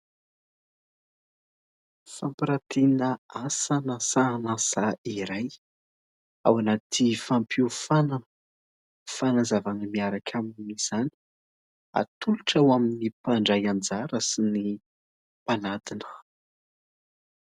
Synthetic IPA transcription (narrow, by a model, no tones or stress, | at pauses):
fampiɾat̪inəasanasanasaiɾaj | a̰wanat̪ʰifampʰiufana | fanazavanəmiaɾakʲʰamniz̥ani̥ | a̰t̪ʰuluʈ͡ʂawaminipaɳɖ͡ʐajand͡zaɾəsini | panat̪inə̥